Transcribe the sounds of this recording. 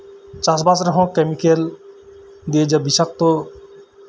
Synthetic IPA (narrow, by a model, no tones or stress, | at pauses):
t͡ʃas̬basɾəɦɔ̃kemikel | d̪ied͡ʒabisak̚t̪o